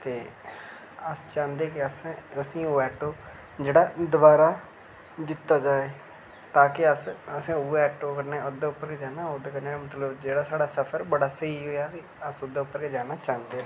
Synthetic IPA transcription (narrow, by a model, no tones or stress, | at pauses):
t̪eː | əst͡ʃãːnd̪eːkɪəsẽəsĩːoːɛːʈːoː | d͡ʒeːɽaːd̪ʊbaːɾaː | d͡ʒ̪ɪt̪ːaːd͡ʒaːeː | t̪ãːkɪəsəsãːʊːɛːʈːoːkəɾneːʊd̪aːʊpːəɾkeːd͡ʒaːnaːʊd̪ːkəɾneːmət̪ləbd͡ʒeːɽaːsaːɽaːsəpʰəɾbəɽaːsəɦiːɦoːjaːki | əsʊd̪aːʊpːəɾked͡ʒaːnaːt͡ʃaːnd̪eːa